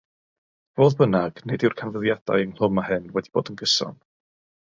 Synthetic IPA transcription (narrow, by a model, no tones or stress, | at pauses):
v̥oːðbənaɡ̥nedɪwrkʰanvəðjad̥a̰jənl̥ˠʊmahɨnwɛdib̥o̰ːdənɡəsɔ̰n